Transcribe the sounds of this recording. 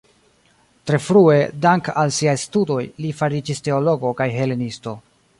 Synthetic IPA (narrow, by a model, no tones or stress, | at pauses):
tɾe̞fɾue̞daŋkalsiajstudo̞jlifaɾid͡ʒiste̞o̞lo̞ɡo̞kajɦe̞le̞nisto̞